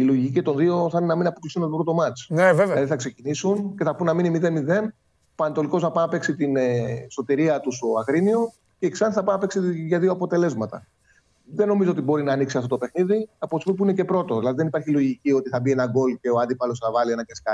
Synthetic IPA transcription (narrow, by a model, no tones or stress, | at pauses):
iloʝicit̪o̞nðio̞θɐnenɐminɐpoklisθunet̪obɾo̞t̪omɐt͡snevevelɐðiθɐkse̞cinisunce̞θɐpunɐminimiðe̞nmiðe̞n | pɐnt̪o̞liko̞znɐpɐnɐpe̞ksit̪ineso̞t̪iɾiɐt̪ust̪o̞ɐɣɾinio̞ | ceːksɐnθɐpɐnɐpe̞ksiʝɐðio̞ɐpo̞t̪e̞lezmɐt̪ɐ̰ | ðe̞no̞mizoot̪ibo̞ɾinɐːniksiɐft̪ot̪ope̞xniðiɐpost̪opipuinece̞pɾo̞t̪o̞ðilɐðiðe̞nipɐɾçilo̞ʝicio̞t̪iθɐbie̞nɐɡo̞lce̞oɐnd̪ipɐlo̞sθɐvɐlienɐceskɐ